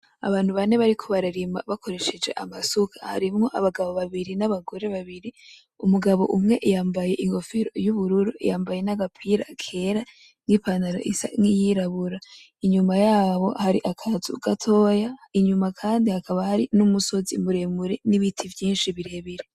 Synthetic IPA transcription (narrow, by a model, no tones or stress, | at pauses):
a̰βaːnhuβane̞βaɾikʰoβaɾaɾima̰βakʰo̞ɾe̞ʃe̞d͡ʒe̞̰ʔamasukʰḁha̰ɾimŋo̞ʔaβaɡaβo̞βaβiɾinaβaɡo̞ɾe̞βaβiɾi | umuɡaβo̞̰ʔumŋe̞ʔjaːmbaje̞ʔiŋɡo̞fiɾo̞̰juβuɾuɾuḭjaːmbaje̞naɡapʰiɾa̰kʰe̞ɾa | ŋipanaɾo̰ʔisa̰ŋijiɾaβuɾa | iɲumajaːβo̞̰haɾiʔakʰazṵɡ̥atʰo̞ːjaiɲumakʰaːndihakʰaβahaɾinumuso̞zimuɾe̞muɾeniβitʰivjiːnʃiβiɾe̞βiɾe